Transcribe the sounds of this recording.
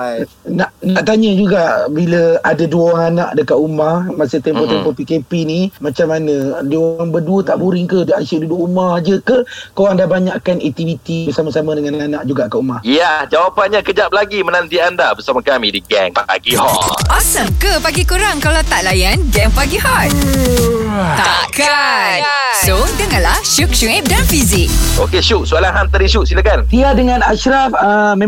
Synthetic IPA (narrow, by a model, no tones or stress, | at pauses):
naʔnaʔt̪aɲəd͡ʒuɡaʔbiləadaduaŋanaʔdəkat̪umahmasəht̪ɛmpɔt̪ɛmpɔpikepinimat͡ʃamːanə̃duoaŋbəduət̪aʔbuɾiŋkəhdəʔasududʊʔumahd͡ʒəkəkowandabaɲaʔkanɛk̚t̪iwit̪ibərsamasamãdəŋananaʔd͡ʒuɡaʔkaʔumahjad͡ʒawapanɲakəd͡ʒap̚laɡimənant̪iandabəsamãkamĩdiɡɛŋa̰ɡihɔ̰ʔɔsəmkəpaɡikuɾaŋkalawt̪aʔlajanɡɛŋpaɡiɦɔt̪̚ | t̪aka | sodəŋãnlahʃuk̚ʃuŋɛp̚danfizɪk̚okeʃuʔsualaŋɦant̪aɾdiʃuʔsilakant̪iadəŋãnaʃɾafəmẽ